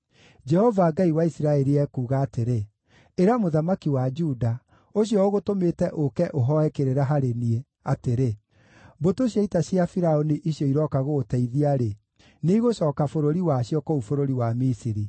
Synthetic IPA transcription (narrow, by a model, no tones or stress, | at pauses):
d͡ʒɛhɔvaːɡaiwaisiɾaɛɾiɛkuːɣaːteɾeː | ɾamoðamakiwad͡ʒuda | oɕjɔoɣotometɛʔokɛʔoɦɔɛkeɾeɾaɦaɾenie | ateɾe | botoɕjaitasjafiɾaoniʔiɕjɔiɾɔkaɣotɛiðiaɾe | neiɣoɕɔːkafoɾoɾiwaɕjɔkoufoɾoɾiwamisiɾi